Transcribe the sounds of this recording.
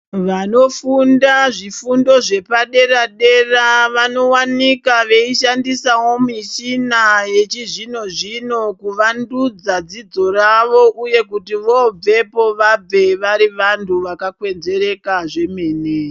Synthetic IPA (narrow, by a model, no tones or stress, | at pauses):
ʋano̞fundaʐifundo̞ʐe̞paɗe̞ɾaɗe̞raʋano̞wanikaʋe̞iʃandisawo̞miʃinaje̞t͡ʃiʐino̞ʐino̞kuʋandud͡zad͡zid͡zo̞ɾaʋo̞ʔuje̞kutiʋo̞b͡ve̞po̞ʋabʱe̞ʋaɾiʋantʰuʋakakwe̞nze̞ɾe̞kaʐe̞meːne